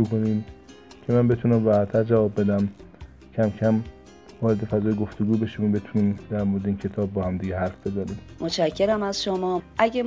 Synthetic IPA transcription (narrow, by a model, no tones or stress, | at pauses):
uːkoniːm | cʰe̞mænbe̞t̪ʰunæmvæhæt̪ʰːæɾd͡ʒævɒːbːe̞d̪æm | cʰæmcʰæm | vɒːɾe̞d̪e̞fæzɒːjeɡoft̪oɡuːbe̞ʃimbe̞t̪ʰuniːmd̪æɾmoɾed̪eiːncʰe̞t̪ʰɒːbːɒːhæmd̪iɡɟeɦæɾfb̥e̞zænimmot͡ʃʰæcʰːe̞ɾæmæzʃomɒːʔæɟe